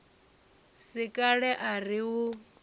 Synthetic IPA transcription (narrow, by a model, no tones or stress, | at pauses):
sikʼaɺɛʔariɦu